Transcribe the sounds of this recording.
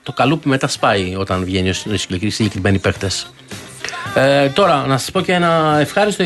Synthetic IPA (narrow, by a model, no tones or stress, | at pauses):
t̪o̞kɐlupime̞t̪ɐspɐio̞t̪ɐnvʝeniosssilekɾime̞nipext̪e̞s | et̪o̞ɾɐnɐsɐ̥spo̞ceenɐefxɐɾist̪o